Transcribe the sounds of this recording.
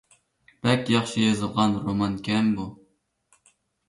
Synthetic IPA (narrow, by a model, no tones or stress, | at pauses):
b̥ɛkʲjɑχʃijɑzɨlˠʁɑnɾomɑnkʲʰɛmbu